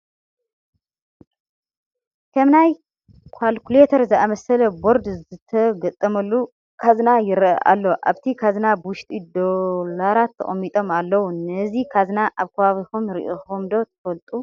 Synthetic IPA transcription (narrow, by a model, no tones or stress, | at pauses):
kʰɐmnaj | kʷʰalkulet̪ʰɐɾzɨʔamɐsɐlɐbo̞ɾd̪zɨt̪ʰɐɡɐt̪ʼːɐmɐlːu | kʰaznajɪɾʔɐ̰ʔa̰lːo̞ʔa̰βt̪ʰikʰaznabɨwʊʃt̪ʼid̪olaɾat̪ʰːɐ̰χʼɐmːit̪ʼo̞malːɐwunɐzikʰaznaʔaβkʰɐβaβixumɾḭʔoxumd̪o̞t̪ʰɐ̥fɐlt̪ʼu